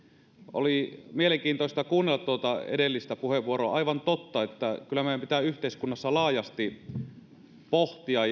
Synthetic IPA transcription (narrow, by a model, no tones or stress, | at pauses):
o̰limieleŋkiːnt̪oˑist̪ɑkuːnːelːɑt̪uot̪ɑḛdelːist̪æpuheʋʋuoɾoɑʔɑiʋɑnt̪ot̪ːɑet̪ːækylːæmeiæmpit̪æyht̪eiskunːɑsːɑlɑːjɑst̪i | poht̪iɑ